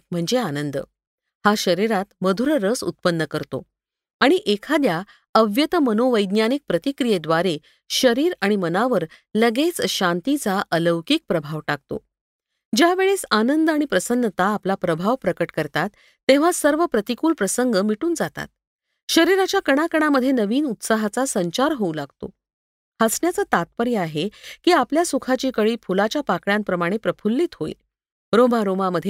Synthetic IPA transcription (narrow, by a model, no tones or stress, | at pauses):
m̤əɳd͡zeanənd̪ə̰ | haɕəɾiɾat̪məd̪ʱuɾəɾəsṵt̪̚pənːəkəɾt̪o̰ | aɽ̃iʔekʰad̪ja | əʋjət̪əmənoʋəjd̪njanik̚pɾət̪ikɾijed̪ʋaɾe | ɕəɾiːɾaɽ̃imənaʋəɾ | ləɡet͡sɕant̪it͡saʔələʋkiːk̚pɾəbʱaʋʈak̚t̪o̰ | d͡ʑjaʋeɭesanənd̪aɽ̃ipɾəsənːət̪aːplapɾəbʱaʋpɾəkəʈkəɾt̪at̪ː | ẽʋ̤asəɾʋəpɾət̪ikuːlpɾəsəŋɡəmiʈuːnd͡zat̪a̰t̪̚ | ɕəɾiɾat͡ɕjakəɽ̃akəɽ̃aməd̪ʱjenəʋiːnut̪saɦat͡sasəɲt͡ɕaɾɦoulaɡ̚t̪o̰ | hasɳjat͡sət̪at̪̚pəɾjəaɦekiːapljasukʰat͡ɕiːkəɭiːpʰulat͡ɕjapakɭjãmpɾəmaɽ̃epɾəpʰulːiːt̪ɦoḭl | ɾobaɾomaməd̪ʱje